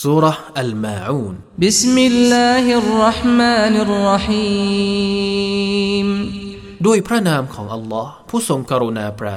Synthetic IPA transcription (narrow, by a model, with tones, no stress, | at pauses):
suː˦˥ɾɑ˦hʔa˨lmaːʕuː˥˩n | bɪsmɪlːaːhrːɑħmaːnɪrːɑħiː | m | du˥˩əjpʰɾa˥naː˧mkʰɔː˩˦ŋʔa˧lːɔː˦˥hpʰuː˥˩so˧ŋkaː˧ɾo˧naː˧pɾaː˧˩